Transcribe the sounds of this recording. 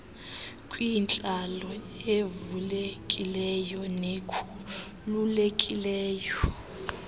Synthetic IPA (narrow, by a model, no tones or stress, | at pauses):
kʼwint͡ɬʼalɔ | evulekʼilɛjɔnekʰu | lulekʼilɛːjɔ